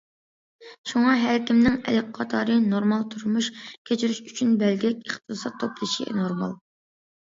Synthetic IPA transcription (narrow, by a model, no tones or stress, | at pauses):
ʃuŋɑɦæɾkʲimnɪŋɛ̰lɪkʲqʰɑt̪ʰɑːɾɨnoɾmɑlˠt̪ʰuɾmuʃkʲʰet͡ʃʰyɾyʃyt͡ʃʰynbɛlɡʲɛkʲeχt̪ʰɨsɑt̪ʰːoplˠɨʃḭnoɾmɑ̰lˠ